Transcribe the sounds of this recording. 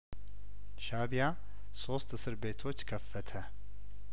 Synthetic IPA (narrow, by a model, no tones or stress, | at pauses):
ʃaβja | so̞st̪ɨsɨɾbe̞t̪ʰo̞t͡ʃːkʰəfːət̪ʰə